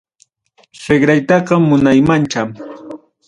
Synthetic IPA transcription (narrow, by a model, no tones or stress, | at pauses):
seɢɾajt̪ɑqɑmːʊnajmant͡ʃam